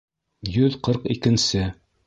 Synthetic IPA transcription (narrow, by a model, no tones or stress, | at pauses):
jɵðqɤɾqikɘ̆nsɘ